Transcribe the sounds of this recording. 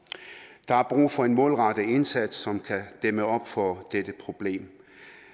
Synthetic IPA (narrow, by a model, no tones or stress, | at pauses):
d̥ɑ̈æɐb̥ʁṵːfɒ̽e̝nmɔ̽ːlʁɑ̈ɾ̥əe̝nsæd̥sːɒ̽mkʰæd̥eməɒ̽b̥fɒd̥ed̥əpʰʁo̝b̥le̝̰ːm